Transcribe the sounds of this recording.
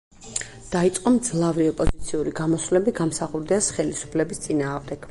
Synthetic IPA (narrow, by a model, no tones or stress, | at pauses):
d̪̥ait̪sʼqʼɔmd̪zlˠavɾiɔpʼɔzit̪sʰiuɾiɡamɔsvlɛbiɡamsaχuɾd̪iasχɛlisu̥pʰlɛbist̪sʼinaːʁmd̪ɛɡ̥